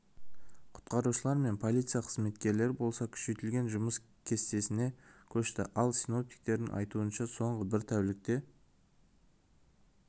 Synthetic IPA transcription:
qʰʊ̥t̪qɑɾuʃəlˠɑɾme̞npʰo̞lʲijt̪sɨjaqʰəzme̞t̪kʲe̞ɾle̞ɾbo̞lˠsɑkʲʰʏ̥ʃe̞jt̪ɪlɡʲe̞nʒʊməs | kʲʰe̞st̪e̞sɪne̞kʲʰɵʃt̪ɪ̰ʔɑlˠsino̞p̚t̪i̥k̚t̪e̞ɾd̪ɪ̰ŋʔɑ̰jt̪uənʃɑso̞ɴʁəbɪɾt̪ʰæwlɪk̚t̪e̞

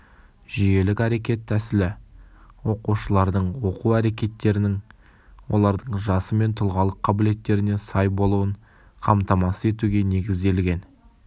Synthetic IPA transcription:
ʒije̞lɪkʲæɾe̞kʲe̞t̪ʰːæsɪlɪwo̞quʃəlˠɑɾd̪əɴwo̞quwæɾe̞kʲe̞t̪ːe̞ɾɪnɪŋ | wo̞̰lˠɑɾd̪əɴʒɑsəme̞nt̪ʰʊlˠʁɑlˠəqʰːɑbɪle̞t̪ːe̞ɾɪne̞sɑjbo̞lˠuəɴ | qʰɑmt̪ɑmɑsəe̞t̪uɡʲe̞ne̞ɡʲɪzd̪e̞lɡʲe̞n

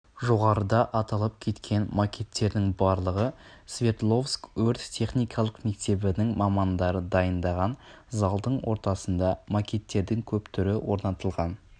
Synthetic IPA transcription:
ʒo̞ʁɑɾəd̪ɑʔɑt̪ɑlˠəp̚kʲʰe̞t̪kʲʰe̞nmakʲe̞t̪ːe̞ɾd̪ɪŋbɑɾlˠəʁəsvʲe̞t̪lˠo̞fsktʰɵɾt̪t̪ʲʰe̞χnijkʰɑlˠəqme̞k̚t̪e̞bɪnɪŋmɑmɑnd̪ɑɾəd̪ɑjənd̪ɑʁɑn | zɑlˠd̪əɴwo̞̰ɾt̪ɑsənd̪ɑmakʲe̞t̪ːe̞ɾd̪ɪŋkʲʰɵpt̪ʰʏɾɪwo̞ɾnɑt̪əlˠʁɑn

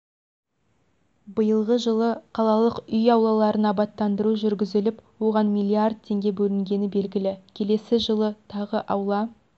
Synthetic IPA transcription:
bəjəlˠʁəʒəlˠəqʰɑlˠɑlˠəqʏjɑwlˠɑlˠɑɾənɑbɑt̪ːɑnd̪əɾuʒʏɾɡʲɪzɪlɪpwo̞ʁɑnmijlʲːiard̪̚t̪ʰe̞ŋɡʲe̞bɵlɪŋɡʲe̞nɪbe̞lɡʲɪlɪkʲʰe̞le̞sɪʒəlˠət̪ʰɑʁəʔɑwlˠɑ

